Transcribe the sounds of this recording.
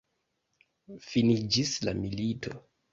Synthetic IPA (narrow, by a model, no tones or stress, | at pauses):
finid͡ʒisla̰militʰo̞